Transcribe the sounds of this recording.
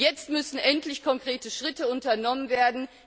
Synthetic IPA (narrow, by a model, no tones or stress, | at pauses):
jɛt͡stmʏsn̩ʔɛntlɪçkʰɔŋkʁ̥eːtəʃʁ̥ɪtəʊntɐnɔmənveːɐdn̩